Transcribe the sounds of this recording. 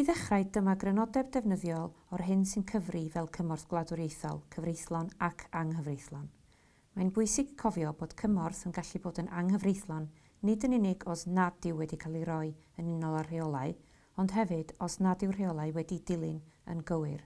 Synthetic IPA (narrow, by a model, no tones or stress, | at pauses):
iðəχrajdəmaɡrɛnɔdɛb̚dɛvnəðjɔlˠɔrɦɪnsɨnkʰəvrivɛlˠkʰəmɔrθɡ̥lˠadʊɾejθɔ̰lˠkʰəvrejθlˠɔnakʰaŋɦəvrejθlˠɔn | majnbʊɨsɪɡ̥kʰɔvjɔboːd̥kʰəmɔrθənɡaɬiboːdənʔaŋhəvrejθlˠɔnː | ɪdənɪnɪɡɔsnad̥ɪwɛdikʰalˠiɾɔɨ | ənɪnɔlˠar̥eɔlˠaɨ | ɔnd̥ɦɛvɨd̥ɔsnadɪwr̥eɔlˠaɨwɛdidɪlˠɨnə̰nɡəwɨr